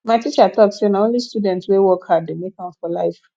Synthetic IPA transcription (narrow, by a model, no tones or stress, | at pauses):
maɪtit͡ʃatʰɔksenaõnlistudɛ̃ntswewɔkhaddemekãmfɔlaɪf